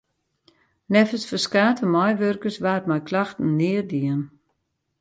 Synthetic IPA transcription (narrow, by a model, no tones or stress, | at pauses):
nɛfəsfəskaːtʰəmɔjʋørkəsʋaːətmajkʰlaxtən̩nɪərdiən